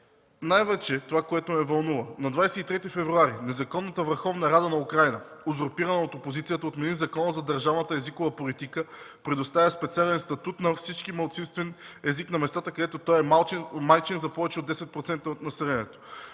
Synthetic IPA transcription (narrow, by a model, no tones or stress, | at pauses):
najvɛt͡ʃɛt̪ovakoɛt̪omɛvɐlˠnuvənɐd̪vajsɛit̪ɾɛt̪ifɛvɾuaɾinɛzɐkɔnːət̪əvəɾxɔvnɐɾad̪ənɐukɾajnə | ozoɾpiɾɐnɐot̪opozit̪sijət̪əot̪nɛd̪inzɐkɔnəzɐd̪əɾʒavnət̪əɛzikovəpolit̪ikə | pɾɛd̪ost̪avʲəspɛt̪sialɛnst̪ɐt̪ut̪nɐfsit͡ʃk̟imɐlˠt̪sinst̪vɛn | ɛziknɐmɛst̪at̪əkɐd̪ɛt̪ot̪ɔjɛmamajt͡ʃinzɐpɔvɛt͡ʃɛod̪ːɛsɛt̪̚pɾot̪sɛnt̪əot̪nɐsɛlɛniɛt̪o̥